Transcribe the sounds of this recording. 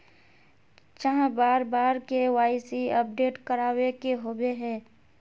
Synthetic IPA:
t͡ʃəɦãbaːɾbaːɾkewaːɪsiɐp̚ɖeːʈkəɾaːwekeɦoːbeɦɛ̃ː

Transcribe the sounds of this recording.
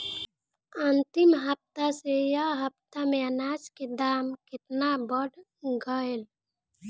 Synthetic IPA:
ənt̪ɪmɦəp̚t̪asejaɦəp̚t̪amẽənaːd͡ʒked̪aːmkɪt̪nabəɽ | ɡəel

